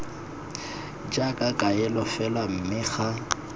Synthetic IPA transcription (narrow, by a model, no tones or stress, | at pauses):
d͡ʒakʼakʼaɪlɔfɛlwam̩mɪχa